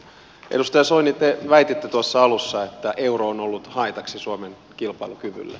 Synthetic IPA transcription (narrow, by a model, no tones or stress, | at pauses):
ʔḛdust̪ɑjɑsoinit̪ːeʋæjt̪et̪ːyt̪uɑsːɑɑlusːɑet̪ːæʔe̞uroːnolːut̪hɑit̪ɑksisuomen | kilpɑilukyʋy̰lːæ̰